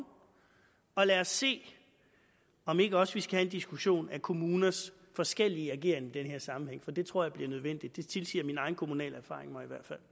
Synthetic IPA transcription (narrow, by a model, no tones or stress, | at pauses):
ɒ̽læːɒsːe̝̰ː | ɒ̽me̝ɡ̥əɒ̽səʋisɡ̥æhæend̥isɡ̥uɕo̝̰ːnækʰo̝muːnɐs | fɒ̽sɡ̥el̰iəæɡ̥e̝̰ɐ̰ŋid̥enɦe̝ɐ̰sɑ̈mm̩heŋ̰fɒ̽d̥e̝t͡sʰʁo̝ɐ̰jäb̥liɐnøðˠʋen̰d̥id̥ːe̝t͡sʰe̝lsḭɐminɑ̈ɪn̩kʰo̝munɛ̰ːlæɐfɑ̰̈ːʁeŋmɑ̈ɪiʋæɐ̰d̥fæl̰